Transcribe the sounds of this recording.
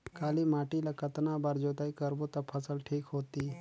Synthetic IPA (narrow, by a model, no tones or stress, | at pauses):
kʰaːliːmaːʈiːlakɐt̪nabaːɾd͡ʒoːt̪aːikəɾbot̪ɐpʰəsəlʈʰiːkɦoːt̪iː